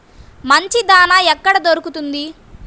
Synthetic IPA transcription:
mɐɲt͡ʃid̪aːnaːɛkːɐɽɐd̪oɾukut̪und̪i

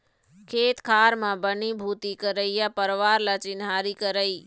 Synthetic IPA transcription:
kʰeːt̪kʰaːɾmãbənibʱuːt̪ikəɾəijapəɾʋaːɾlət͡ʃɪnɦaːɾikəɾəiː

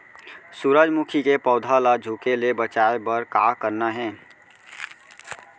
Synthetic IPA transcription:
suɾəd͡ʒmukʰikepɔːd̪ʱalad͡ʒʱukelebət͡ʃaebəɾkaːkəɾnaɦɛ̃ː

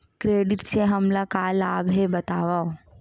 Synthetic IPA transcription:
kɾeːɖɪʈseɦɐmlakaːlaːbɦebɐt̪aːʋao

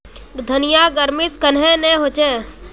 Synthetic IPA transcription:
d̪ʱənɪjaːɡəɾmɪt̪kənɦẽneːɦoːt͡ʃeː

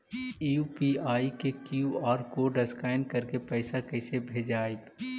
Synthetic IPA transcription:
upiaːikekuɔːɾkoːɖɐskaːɪnɖ̚kɐɾkepɛɪsakɛɪsebʱeːd͡ʒaːeb

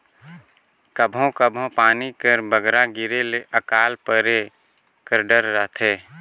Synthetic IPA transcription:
kəbʱõkəbʱõpaːnikəɾbəɡɾaɡɪɾeleʔəkaːlpəɾe | kəɾɖəɾːəɦt̪ʰeː

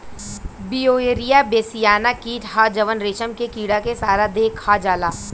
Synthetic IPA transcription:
bioːeːɾijabeːsijaːnakiːʈɦaːd͡ʒɐʋənɾeːʃəmkekiːɽakesaːɾad̪eːkʰhad͡ʒaːlaː

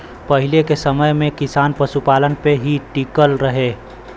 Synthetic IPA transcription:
pɐɦɪlekesəməjmẽkɪsaːnpəʃupaːlənpeɦiʈikəlɾəɦeː

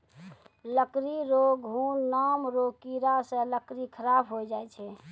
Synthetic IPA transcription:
ləkɾiɾoɡɦuːnnamɾokiɾasẽləkɾikʰəɾabɦod͡ʒaɛt͡ʃʰɛ

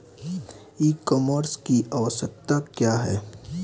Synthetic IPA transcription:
iːkɔːməɾskiʔaʋəsək̚t̪akjaːɦɛː

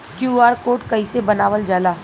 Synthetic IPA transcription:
kjuːaːɾkoːʈkɐisebɐnaːʋəld͡ʒaːlaː

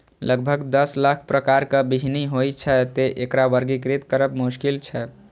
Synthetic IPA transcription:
ləɡ̚bʱəɡd̪əslakʰpɾəkaɾkəbiɦiniɦojt͡ʃʰɛt̪eʔekɾaʋəɾɡikɾit̪kəɾəbmuskilt͡ʃʰɛ

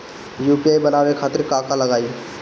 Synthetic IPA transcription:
juːpiaːibənaːʋekʰaːt̪ɪɾkaːkaləɡaːi

